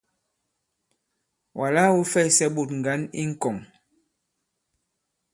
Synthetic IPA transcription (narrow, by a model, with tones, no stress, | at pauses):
wʔa˨la˦wu˦fɛ˦˨sɛ˦ɓo˨tŋ̩˨ɡa˨˦nḭ˦ŋ̩˦kɔ˨ŋ